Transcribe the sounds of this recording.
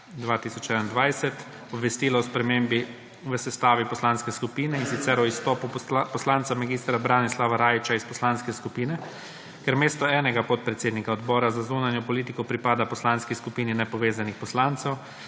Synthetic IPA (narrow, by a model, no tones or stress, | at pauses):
d̪ʋaːt̪isɔt͡ʃɛnand̪ʋajsɛt̪ | ɔbʋɛst̪iːlaɔspɾɛmembi | ʋəsɛst̪aːʋipɔslanskɛskupiːnɛinsit̪sɛɾɔist̪ɔːpupɔslaːnt̪samaɡiːst̪ɾabɾaːnislaʋaɾaːjit͡ʃaispɔslanskɛskupiːnɛ | kɛɾmeːst̪ɔɛːnɛɡapɔt̪̚pɾɛt̪seːd̪nikaɔd̪bɔːɾazazunanjɔpɔliːt̪ikɔpɾipaːd̪apɔslanskiskupiːninɛpɔʋeːzanixpɔslant̪sɛw